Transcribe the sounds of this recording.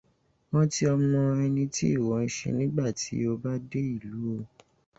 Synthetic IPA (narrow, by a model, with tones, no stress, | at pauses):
wɔ̃˦ti˦ɔ˧mɔ̃˧ɛ˧nĩ˧ti˦i˦˨wɔ˨˦n̩˧˦ʃḛ˧nĩ˦ɡ͡ba˦˨tḭ˨˦o˧ba˦de˦i˦˨lu˨˦o˧